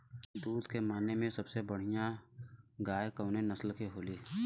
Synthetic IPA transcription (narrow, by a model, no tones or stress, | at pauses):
d̪uːd̪kemaːnːemẽsɐbsebəɽ̤ijã | ɡaːjekəːnenɐslkeɦoːliː